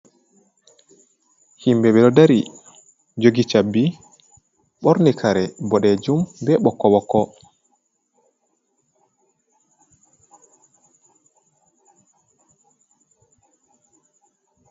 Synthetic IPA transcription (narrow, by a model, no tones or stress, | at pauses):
himbɛɓɛɗɔdaɾi | d͡ʒoɡit͡ʃabːi | ɓɔɾnikʰaɾɛbɔɗɛd͡ʒumbɛɓɔkːɔɓɔkːɔ